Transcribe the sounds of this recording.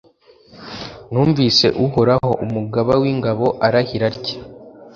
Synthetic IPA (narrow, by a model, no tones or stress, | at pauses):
nuːɱviːse̞̰ʔuhoɾaho̞ʔumuɡaβawiŋɡaβo̞ʔaɾahiɾaɾɟḁ